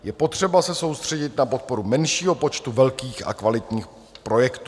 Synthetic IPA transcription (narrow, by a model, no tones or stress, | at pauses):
jɛpo̞t̪r̝̥ɛbasɛso̞wst̪r̝̥ɛɟɪt̪napo̞t̪̚po̞ɾumɛnʃiːɦopo̞t͡ʃt̪uvɛlkiːxa̰kvalɪt̪ɲiːx | pɾo̞jɛkt̪uː